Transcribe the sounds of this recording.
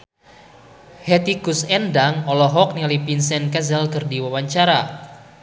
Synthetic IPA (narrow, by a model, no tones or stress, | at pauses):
hɛt̪iɡusɛndaŋɔlɔɦɔk̚niŋalipinsɛnkɛzɛlkərdiwawaɲt͡ʃaɾa